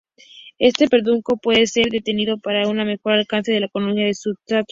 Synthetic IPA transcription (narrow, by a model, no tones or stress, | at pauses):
e̞st̪e̞pe̞ɾðuŋko̞pwe̞ðe̞se̞ɾðe̞t̪e̞niðo̞paɾauname̞xo̞ɾalkanse̞ð̞e̞laeko̞nomiaðesut̪ɾat̪